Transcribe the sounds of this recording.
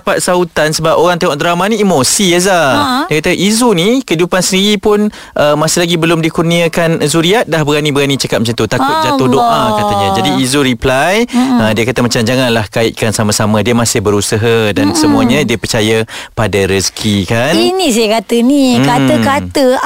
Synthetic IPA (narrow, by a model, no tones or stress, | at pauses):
pat̪̚saut̪ansəbap̚oɾaŋt̪eŋɔʔdɾamanĩːmosiazaddiəkat̪əʔizunikəidupansəniɾipʊn | ʔəmasilaɡibəlʊmdikurniakanzuɾiaʔ̪̚dahbəɡanibəɡanit͡ʃəkat̪̚mat͡ʃant̪ut̪akʊt̪̚d͡ʒat̪ʊhdoʔakat̪əɲad͡ʒadiːzuɾiplajədiəkat̪əmat͡ʃamd͡ʒaŋanlahkaɪt̪̚kansamasamadiəmasɪhbəɾusəɦadansəmuaɲə̃diəpərt͡ʃajapadaɾəskʰikaninĩsakat̪ənikat̪əkat̪ə